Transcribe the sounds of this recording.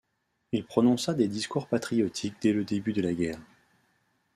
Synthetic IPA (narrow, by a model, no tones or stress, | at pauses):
ilpχɔnɔ̃sad̪ed̪iskuʁpat̪χijɔt̪ʰik̚d̪ɛləd̪ebyd̪əlaɡʲɛːʁ